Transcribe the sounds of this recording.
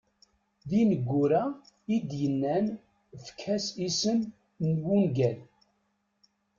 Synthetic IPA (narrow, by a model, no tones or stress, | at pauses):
ðinəɡʷːʊɾæ | id̪jənːæn | fkʰæsisən | nwunɡæl